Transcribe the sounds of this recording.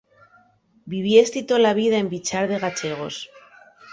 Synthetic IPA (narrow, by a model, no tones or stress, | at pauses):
biβ̞jest̪it̪olaβ̞iðaembit͡ʃaɾðe̞ɣat͡ʃe̞ɣ̞o̞s